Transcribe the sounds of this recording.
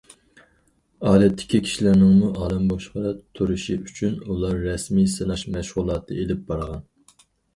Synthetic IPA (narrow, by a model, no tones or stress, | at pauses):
ɑːlɛt̪ʰːɪ̥kʲʰikʲʰi̥ʃilæɾnɪŋmuʔɑːlˠɨmboʃqɑɾt̪ʰuɾuʃiyt͡ʃʰynulˠɑɾːɛsmisɨnɑʃmɛʃʁʊlˠɑːt̪ʰɨelɪp̚bɑɾʁɑn